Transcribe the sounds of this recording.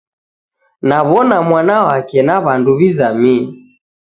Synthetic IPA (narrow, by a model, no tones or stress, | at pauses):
naβɔnamwanawakɛnaβanduβizamiɛ